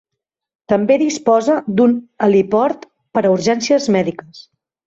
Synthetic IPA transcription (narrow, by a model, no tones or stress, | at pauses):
t̪əmbeðispɔzəd̪unəlipɔɾt̪ | pəɾəuɾʒɛnsiəzmɛðikəs